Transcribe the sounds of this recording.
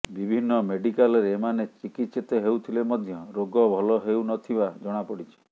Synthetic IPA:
bibʱinːɔmeɖikalɔɾeːmanet͡ʃikit̪sit̪ɔɦewt̪ʰilemɔd̪ʱjɔɾoɡɔbʱɔlɔɦewnɔt̪ʰibad͡ʒɔɽ̃apɔɽit͡ʃʰi̥

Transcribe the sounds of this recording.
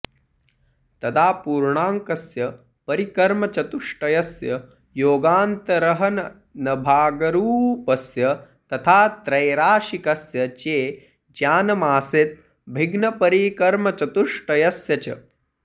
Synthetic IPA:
t̪ɐd̪aːpuːɾɳaːŋkɐsjɐ | pɐɾikɐɾmɐt͡ʃɐt̪uʂʈɐjɐsjɐ | joːɡaːnt̪ɐɾɐɦɐnɐ | nɐbʱaːɡɐɾuːpɐsjɐ | t̪ɐt̪ʰaːt̪ɾɐjɾaːʃikɐsjɐt͡ʃeː | d͡ʒaːnɐmaːset̪̚ | bʱiɡnɐpɐɾiːkɐɾmɐt͡ʃɐt̪uʂʈɐjɐsjɐt͡ʃɐ̰

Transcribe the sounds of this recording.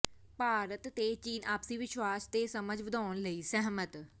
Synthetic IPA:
paːɾət̪ːeːt͡ʃiːnʔaːpsiːʋɪʃwaːst̪eːsəməd͡ʒʋəd̪aːnləiːsɛɦmət̪

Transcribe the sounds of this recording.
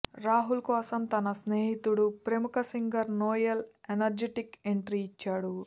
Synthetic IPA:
ɾaːɦulkɔːsɐmt̪ɐnɐsneːɦit̪uɽupɾemukɐsiŋɡɐɾnoːjɐlenɐɾd͡ʒeʈikeɳʈɾiːt͡ʃːaːɽu

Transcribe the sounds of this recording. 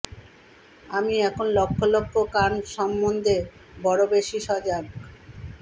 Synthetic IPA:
amiɛkʰonlokʰːolokʰːokanʃɔmːond̪ʱe | bɔɽobeʃiʃɔd͡ʑa

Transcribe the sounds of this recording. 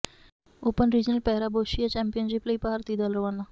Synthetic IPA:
opənɾid͡ʑnəlpɛɦɾaboɕijat͡ɕɛmpijənɕipleipaɦaɾt̪iːd̪əlɾʋanːa

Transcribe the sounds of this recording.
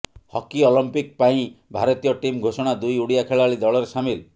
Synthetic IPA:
hɔkiɔlɔmpik̚paĩbʱaɾɔt̪ijɔʈimɡʱosɔɽ̃ad̪ujuɽijakʰeɭaɭid̪ɔɭɔɾesamil

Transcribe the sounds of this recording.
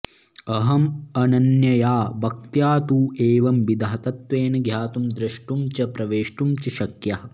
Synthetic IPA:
ɐɦɐmɐnɐnjɐjaːbʱɐk̚t̪jaːt̪uːeːʋɐmʋid̪ɐɦɐt̪ɐt̪ʋeːnɐɡʱjaːt̪umd̪ɾɐʂʈumt͡ʃɐpɾɐʋeːʂʈumt͡ʃiʃɐkjɐɦɐ

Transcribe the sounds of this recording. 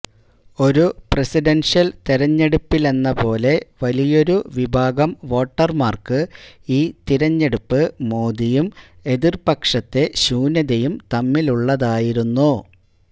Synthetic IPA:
o̞ɾupresiɖenʂjɐlt̪iɾɐɲːe̞ɽupːile̞nːɐpo̞ːle̞ʋɐlijo̞ɾuʋibʱaːɡɐmʋo̞ːʈːɐrmaːrkɨiːt̪iɾɐɲːe̞ɽupːɨmoːðijume̞ðirpɐkʂɐt̪ːe̞ɕuːnɐðɐjumt̪ɐmːiluɭːɐðaːjiɾunːu

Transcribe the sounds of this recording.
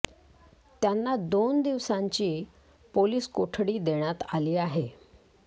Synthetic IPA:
t̪janːad̪ond̪iʋsaɲt͡ɕiː | poliːskoʈʰɽiːd̪eɽ̃jat̪aliːaɦe

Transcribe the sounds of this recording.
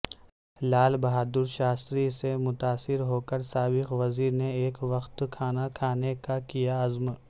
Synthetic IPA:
laːlbɐɦaːd̪ʊɾʃaːst̪ɾisemʊt̪aːsɪɾɦoːkəɾsaːbɪxʋɐziːɾneeːkʋɐxt̪kʰaːnakʰaːnekakijaɐzm

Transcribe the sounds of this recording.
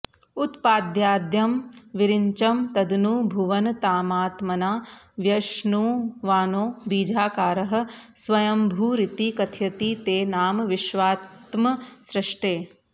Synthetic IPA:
ut̪paːd̪jaːd̪jɐmʋɪɾɪɲt͡ʃɐmt̪ɐd̪nuːbʱuʋɐnt̪aːmaːt̪mɐnaː | ʋjɐʃnuːʋaːnoːbiːd͡ʒʱaːkaːɾɐɦɐ̆sʋɐjɐmbʱuːɾɪt̪ikɐt̪ʰjɐt̪iːt̪eːnaːmʋɪʃʋaːt̪mɐsɾɪʂʈeː

